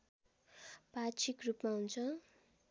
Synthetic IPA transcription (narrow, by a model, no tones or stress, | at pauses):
pat͡sʰikrupmaɦunt͡sʰʌ